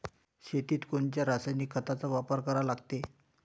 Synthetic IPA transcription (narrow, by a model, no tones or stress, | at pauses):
ɕet̪iːt̪koɳt͡ɕjaɾasajnikʰːət̪at͡saʋapəɾkəɾalaɡt̪e